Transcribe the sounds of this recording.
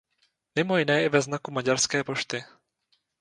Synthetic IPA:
mɪmojɪnɛːjɛvɛznakumaɟaɾskɛːpo̞ʃt̪ɪ

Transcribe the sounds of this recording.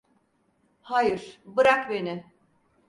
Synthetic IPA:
hajɯɾ̥bɯɾakbenɪ

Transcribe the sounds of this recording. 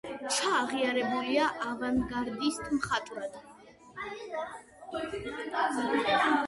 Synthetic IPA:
t͡ʃʰaːʁiaɾɛbuliaʔavanɡaɾd̪ist̪ʰmχat̪ʼɾad̪̥

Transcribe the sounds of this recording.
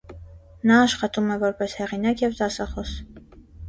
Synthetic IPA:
nɑːʃχɑt̪umɛvɔɾpɛshɛʁinɑkjɛvt̪ɑsɑχɔs

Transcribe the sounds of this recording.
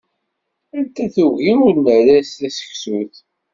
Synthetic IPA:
ænt̪æθuɣiunːəɾæst̪æsə̥çsuθ

